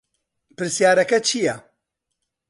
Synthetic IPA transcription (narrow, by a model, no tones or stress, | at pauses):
pɨɾsjaːɾɐkɐt͡ʃʰijɐ